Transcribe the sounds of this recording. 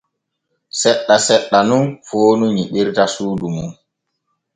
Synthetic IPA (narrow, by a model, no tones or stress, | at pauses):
sɛɗːasɛɗːanunfoːnuɲiɓiɾtasuːdumun